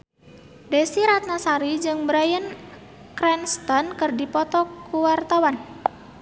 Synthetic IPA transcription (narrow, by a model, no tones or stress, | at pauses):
desiɾat̪̚nasaɾid͡ʒɨŋbɾajən | kɾɛnst̪ɔnkərdipɔt̪ɔkuwart̪awan